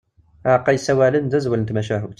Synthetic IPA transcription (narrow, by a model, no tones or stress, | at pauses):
æqɑjsæwælənd̪æzwələnt̪mæʃæɦəbt̪